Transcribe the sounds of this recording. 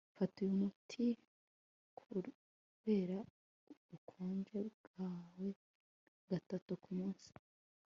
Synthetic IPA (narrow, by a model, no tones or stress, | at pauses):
fatujumutʰi | kʰu | βe̞ːɾa | ukʰoːnd͡ʒeɡaːwe̞ | ɡ̥atatukumuːnsi̥